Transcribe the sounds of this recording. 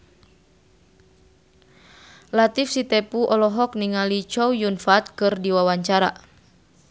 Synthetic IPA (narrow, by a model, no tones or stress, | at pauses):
lat̪ifsit̪ɛpuʔɔlɔɦɔkniŋalit͡ʃɔwjunfat̪̚kɨrdiwawaɲt͡ʃaɾa̰